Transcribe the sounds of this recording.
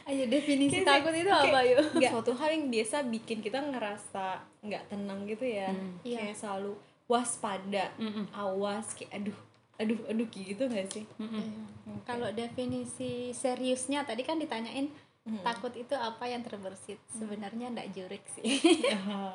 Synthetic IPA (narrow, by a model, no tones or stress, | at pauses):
ajadefinisit̪akʊt̪it̪uapajoɡsaswat̪uɦaljaŋbiasabikɪnkit̪aŋəɾasa | ŋɡaʔt̪ənəŋɡit̪ujaaasəlalu | waspadaawaskeʔadʊh | ədʊhədʊkɡit̪uŋasɪh | kalodefinisiseɾiʊsɲat̪adikandit̪aɲaʔɪn | akkʊt̪it̪uapajaŋt̪ərbərsɪt̪̚səbənərɲaŋda̰ʔd͡ʒuɾɪk̚sɪhɦ